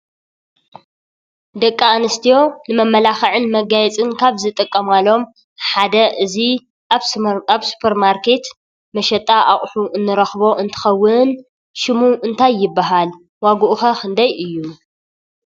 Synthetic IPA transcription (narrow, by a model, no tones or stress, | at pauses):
d̪ɐkʼːaanɨst̪ʰijo̞nɨmɐmːɐlaxɐʕɨnmɐɡajɛt͡sʼɨnkʰaβzɨt̪ʼɨkʼːɐmalo̞m | ħad̪ɐʔɨzi | aβsu̥pʰɐɾmaɾkʰe̞t̪ | mɐʃɐt̪ʼːaʔaχʼħuʔɨnːɨɾɐxbo̞ʔɨnt̪ʰɨ̥xɐwːɨn | ʃɨmuʔɨnt̪ʰajːɪbːaɦal | waɡuʔuxɐxʰɨnd̪ajʔɨjːu